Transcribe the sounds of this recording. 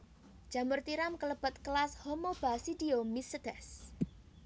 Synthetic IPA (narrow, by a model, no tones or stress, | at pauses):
d̥ʒ̥a̤mʊrt̪iɾamkələb̥ə̤t̪̚kəlashomob̥asid̪̥iomisəd̪̥ɛs